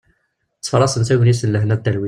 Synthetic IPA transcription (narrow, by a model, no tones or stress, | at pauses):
t͡sːfɾˤɑsənsæwənjisənləhnæd̪ælwi